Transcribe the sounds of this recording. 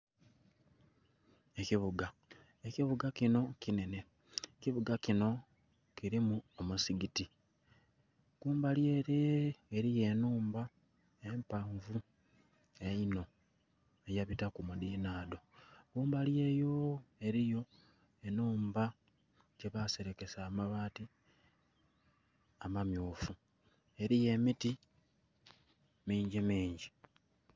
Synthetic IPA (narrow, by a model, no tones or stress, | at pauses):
e̞ciβuɡa | eciβuɡacino̞kine̞ne̞ | ciβuɡacino̞ | kiɾimuomusiɡiti | ɡ̥uːmbaljeɾeːɾije̞ːnuːmba | e̞mpaɱvu | e̞ino̞ | ejaβitakumudiːnaːdo̞ɡuːmbalje̞ːjo̞e̞ɾijo̞ | e̞nuːmba | ce̞βase̞ɾe̞ke̞saːmaβaːti | amamjuːfu | e̞ɾije̞miti | miːɲɟimiːɲɟi